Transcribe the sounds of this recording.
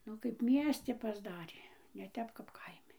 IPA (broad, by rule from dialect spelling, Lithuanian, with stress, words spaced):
ˈnʊ kɐɪp ˈmʲiɛsʲtʲɪ pɐzˈdɑːrʲeː nʲɛ ˈtʲɛp kɐp ˈkɐɪmʲɪ